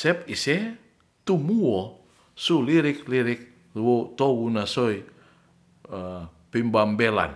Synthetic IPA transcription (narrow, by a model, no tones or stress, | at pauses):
sɛpisɛ | t̪umuɔ | suliɾɪk̚liɾɪk̚ | wot̪ɔwunasɔi | pimbambɛla̰n